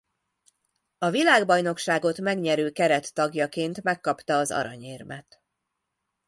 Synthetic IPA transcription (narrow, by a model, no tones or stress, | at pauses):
ɒvilaːɡbɒjno̞kʃaːɡo̞t̪mɛɡɲɛɾøːkɛɾɛt̪ːɒɡjɒkeːnt̪mɛkːɒpt̪ɒːzɒ̰ɾɒ̰ɲeːrmɛ̰t̪